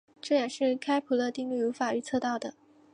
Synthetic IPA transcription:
ʈ͡ʂɤ˥˩jɛ˨˩ʂɻ̩˥˩kʰa˥ɪpʰu˧˥lə˧t̪i˥˧ŋly˥˩˧fa˨˩y˧˥t͡sʰɤ˥˧t̪ɑ˥˩ʊd̪ə˩

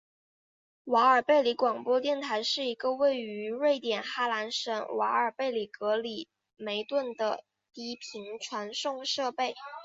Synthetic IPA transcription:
wa˧˥ə˞˨˩pe˥˩ɪli˧˥kwɑ˨˩ŋpwɔ˥t̪jɛ˥˩nt̪ʰa˧˥ɪʂɻ̩˥˩i˧˥ɡə˧we˥˩ɪy˧˥ɻwe˥˩ɪt̪jɛ˨˩nxa˥la˧˥nʂə˧˥nwa˧˥ə˞˨˩pe˥˩ɪli˨˩kɤ˧˥li˨˩ | me˧˥ɪt̪wə˥˩nd̪ə˩ | t̪i˥pʰi˧˥ŋʈ͡ʂʰwa˧˥nʂʊ˥˧ŋʂɤ˥˧pe˥˩ɪ

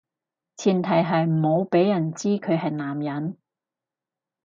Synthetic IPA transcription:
t͡sʰiː˨˩nt̪ʰɐ˨˩jɦɐ˨jm̩˨˩ho˨˧wpe˨˥jjɐ˨˩nt͡siː˥kʰɵ˨˧hɐ˨jnaː˨˩mjɐ˨˥n

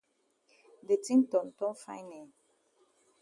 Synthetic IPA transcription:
de˨tĩ˦ntɔ̃˨n˨tɔ̃˦fã̰˦jnɛ˨

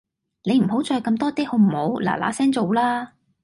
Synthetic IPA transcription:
ne˨˧jm̩˨˩ɦo˨˥wt͡sɔː˧jkɐ˧mt̪ɔː˥t̪iː˥ho˧wm̩˨˩ho˨˥wla̰ː˨˩la̰ː˨˥sɛː˥ŋt͡so˨wlaː˥

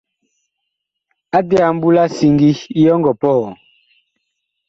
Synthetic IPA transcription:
a˦dɛ˦a˨m̩˦bu˦la˦si˨ŋɡi˦i˦jɔ˦ŋɡɔ˨pɔ˦˨ɔ˨

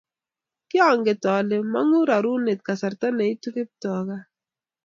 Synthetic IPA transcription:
kɪ˦ɔ˨ŋɡe˨tɔ˨lɪ˨ma˦ŋu˦ɾa˨ɾu˦ne˨t̚ka˨sa˨ɾta˦ne˨i˦tu˦kɪ˦p̚tɔ˨ka˦

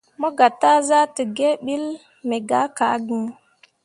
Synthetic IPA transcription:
mo˦ɡa˨ta˦za˦tə˨ɡe˦ɓi˦l | me˨ɡa˦ka˨˦ɡi˦ŋ

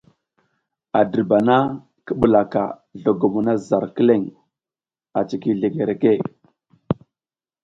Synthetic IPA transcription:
a˨də˨ɾba˨na˦ | kə˦ɓə˨la˨ka̰˨ | ɮo˨ɡo˨mu˨na˦za˨ɾkə˦le˦˨ŋ | a˨t͡ʃi˨ki˦ɮe˨ɡe˨ɾe˨ke˦˨

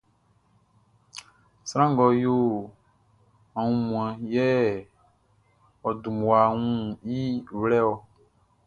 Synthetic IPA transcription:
sɾ̃ã˦ŋ˨ɡɔ˨jo˦ | a˨ŋũ˦mũ˨ɛ̃˨jɛ˦ | ɔ˨du˨mũ˨a˨ŋũ˦ji˦wlɛ˦wɔ˨

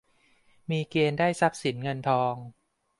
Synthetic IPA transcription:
miː˧keː˧ndaː˥˩jsa˦˥p̚si˩˦nŋɤ˧nt̪ʰɔː˧ŋ

